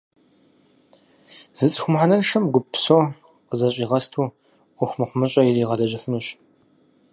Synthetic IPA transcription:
z̥ɨt͡sʼxʷʊmħanɐrʂɐmɡʷʊpʰsoː | qəzɐɕʼiːʁɐstʰuː | ʔʷʊxʷmɨχʷʊmɨɕʼɐjɪriːʁɐdɐʑɐfɨnuːɕ

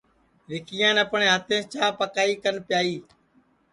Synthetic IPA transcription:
ɾɪkijãːnəpɳeːɦət̪ẽːt͡ʃaːpəkaːiːkənpjaːiː

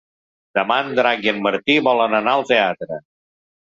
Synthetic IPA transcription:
d̪̥əmand̪ɾaɣiənməɾt̪iβɔlənənaəlˠt̪eat̪ɾə

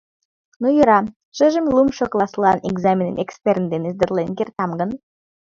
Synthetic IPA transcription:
nujəɾɑ | ʃɨʒə̆mlˠumʃoklˠɑslˠɑneɡzamʲenə̰nekspʲeɾnd̪enezd̪ɘ̆rlˠenɡʲert̪ɑmɡɤ̆n

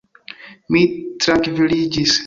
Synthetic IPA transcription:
mit̪ɾakvɪliːɟis

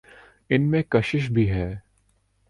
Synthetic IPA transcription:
ɪnmẽkɐʃɪʃ̬bʱiɦɛː

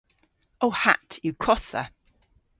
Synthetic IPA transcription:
oʊha̰tjəkʰɔθə̰

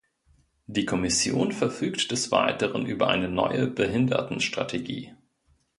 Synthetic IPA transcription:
d̥iːkʰɔmɪsjoːnfɛɐfyːktd̥ɛsv̥a̰ɪtəʁənʔyːbɐʔa̰ɪnənɔ̰ʏəbəɦɪndɐ̰tn̩ʃtʁ̥a̰tʰeɡḭː

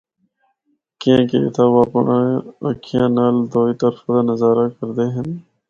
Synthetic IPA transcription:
kijãːkḛɪ̰t̪ʰaːʋaːpə̰ɳʔaːəkʰijãːnaːld̪oːiːt̪əɾfaːd̪aːnəzaːɾaːkəɾd̪eːɦɪn

